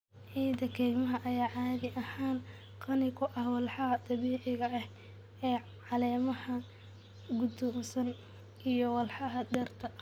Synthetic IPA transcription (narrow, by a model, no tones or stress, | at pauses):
ʕiːd̪ɐkʰɛːɡmɐɦɐʔɐjaːʕaːɣɪʔɐhaːn | qɑnɪkʰʊʔɐhwɑlħɑɐd̪ɑβiːʕɪɣɐɐh | ɛː | ʕɑlɛːmɐhɐ | ɡʊd̪ɔmsɐn | ʔijɔwɑlħɑɦɐd̪ɛrt̪ʰɐ